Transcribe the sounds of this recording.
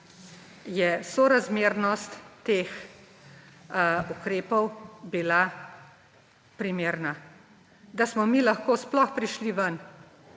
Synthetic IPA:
jɛsoɾazmeːɾnɔst̪ːeːx | ukɾeːpɔwbila | pɾimeːɾna | d̪asmɔmilaxkoːsplɔxpɾiʃliʋən

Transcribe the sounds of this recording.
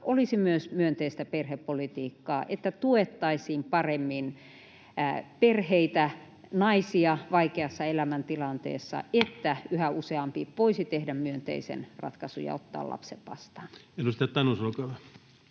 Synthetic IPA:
ʔolisimyøsmyønt̪eist̪æperhepːolit̪iːkːɑːʔet̪ːæt̪uet̪ːɑisiːmpɑremːin | perheit̪æ | nɑisiɑʋɑikeɑsːɑelæmænt̪ilɑnt̪ḛːsːɑ̰et̪ːæyhæuseɑmpiʋoisit̪ehdæmmyønt̪ḛisḛnrɑ̰t̪kɑsujɑ̰o̰t̪ːɑ̰ːlɑ̰pseʋʋɑ̰st̪ɑːnenust̪eæt̪ːɑnosɑnokɑʋæ

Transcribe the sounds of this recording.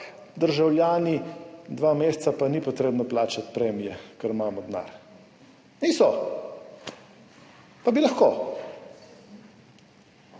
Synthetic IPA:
d̪əɾʒawljaːnid̪ʋaːmeːst̪sapanipɔt̪ɾeːbnɔplaːt͡ʃat̪pɾɛmijɛkəɾmaːmɔd̪na̰ɾ | nisɔ | pabilɐxkoː

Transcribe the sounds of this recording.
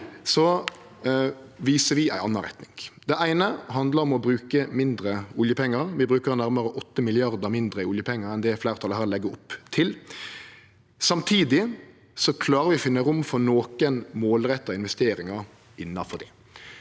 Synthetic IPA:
sɔ | ʋiːsəʋɪæɪʔɑnːɑnɾɛt̪nɪŋd̪̥ɛʔæɪnəɦɑnd̪ləɾɔmɔbɾʉːkəmɪnd̪ɾəʊljəpʰɛŋːəɾʋɪbɾʉːkəɾnæɾməɾəʔɔt̪ːəmɪlɪɑɾd̪əmɪnd̪ɾəɪʊljəpʰɛŋːəɾɛnd̪ɛflæːʁt̪ʰɑləhæːɾlɛɡːəʊpːt̪ʰɪl | sɑmt̪ʰiːd̪ɪ | sɔkʰlɑːɾəɾʋɪɔfɪnːəɾʊmfɔnoːkənmoːlɾɛt̪ːəɪnʋɛst̪eːɾɪŋəɾ | ɪnːɑfɔd̪ɛ̰

